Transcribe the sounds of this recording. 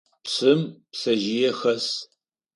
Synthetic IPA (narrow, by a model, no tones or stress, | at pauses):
psɨmpsɐʒɪjɛxɐs